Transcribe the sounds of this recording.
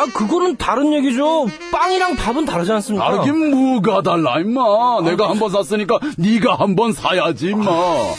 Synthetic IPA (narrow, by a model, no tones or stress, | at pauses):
akɯɡʌnɯntaɾɯnje̞ɡid͡ʑo | p͈aŋiɾaŋpabɯntaɾɯd͡ʑians͈ɯmɲiaɡemoɡadaɭːaimːane̞ɡahambʌns̬ʰas͈ɯɲik͈aniɡahambʌnsʰajad͡ʑimːa